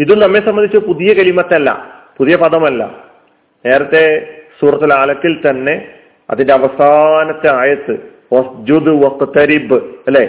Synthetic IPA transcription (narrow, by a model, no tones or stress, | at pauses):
iðumnɐmːesɐmbɐnd̪it͡ɕːupuðijɐkɐlimɐt̪ːɐlːɐ̰puðijɐpɐðɐmɐlːɐ̰ | ne̞ːɾɐt̪ːe̞suːrɐt̪ːɐlaːlɐkːilt̪ɐnːe̞ | ɐ̰ðindeɐʋɐsaːnɐt̪ːeaːjɐt̪ːɨ | ʋɐsd͡ʑud̪ɨʋɐk̚t̪ɨt̪ːɐɾibɨɐlːe